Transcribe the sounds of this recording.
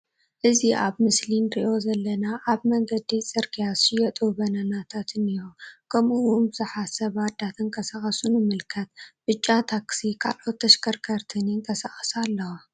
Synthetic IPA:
ʔɨziʔaβmɨslinɾiʔo̞zɐlːɐnaʔaβmɐŋɡɐd̪it͡sʼɨɾkʰijasɪjɐt̪ʼubɐnɐnat̪ʰat̪ʰɨnijukʰɐmuʔunbɨzɨħasɐβad̪at̪ʰɨŋkʰʼɐsaxʼɐsunɨmɨlkʰɐt̪̚b̥ɨt͡ʃʼːat̪ʰaksikʰa̰lʔo̞t̪ːɐʃkʰɐɾkʰɐɾt̪ʰɨniŋk̪ʰʼɐsaχʼsalːɐwa

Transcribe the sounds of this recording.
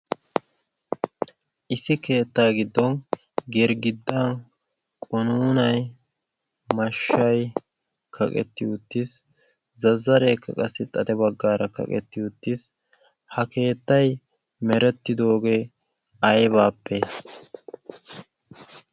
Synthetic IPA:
ʔɪsɪke̞ːt̪ːaːɡɪd̪ːɔn | ɡɛɾɡɪd̪ːaːn | kʼɔnuːnɐj | mɐʃːɐj | kʰɐkʼɛ̰t̪ːɪʊt̪ːis | zɐzːɐɾeːkːɐ̰kʼɐsːɪt̪ʼɐt̪ɛbɐɡːaːɾɐkɐ̰kʼɛ̰t̪ːɪʊt̪ːis | hɐke̞ːt̪ːɐj | mɛɾɛt̪ːɪd̪o̞ːɡe | ɐjβaːpːe

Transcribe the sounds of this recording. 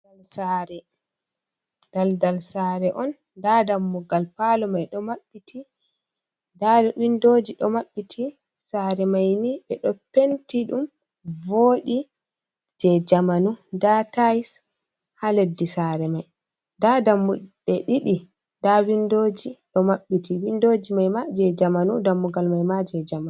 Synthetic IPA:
lsaɾɛ | d̥aldalsaɾɛʔɔn | dadamːuɡalpalɔmajɗɔmaɓːiti | dawindod͡ʒiɗɔmaɓːitʰi | saːɾɛmajniɓɛɗɔpentiɗum | voːɗi | d͡ʒɛd͡ʒamanudatajis | haledːisaɾɛmaj | dadamːuɗɛɗiɗi | dawindod͡ʒiɗɔmaɓːitʰiwindod͡ʒimajmad͡ʒɛd͡ʒamanudamːuɡalmajmad͡ʒɛd͡ʒaman

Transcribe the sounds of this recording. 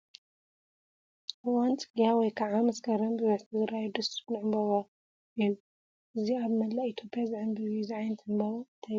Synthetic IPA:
ɨwant͡sʼɨɡjawɔjkʰaʕamɐskʰɐɾɐnbɨβɐt̪ʰɨzɨɾajd̪ɐsu̥nɨʕɨmbaβa | iju | ʔɨziaβmɐlːait̪ʰo̞pʰʼːijazʕɨmbɨβizɨʕajnt̪ʰɨmbaβant̪ʰa

